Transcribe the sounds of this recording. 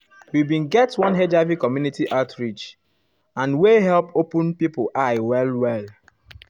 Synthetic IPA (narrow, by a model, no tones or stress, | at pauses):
wibĩnɡɛtwɔ̃nɦed͡ʒavikɔmjunitiʔaʊtɹit͡ʃ | ãnweɦɛlpopə̃npipəʔaɪwɛlwɛl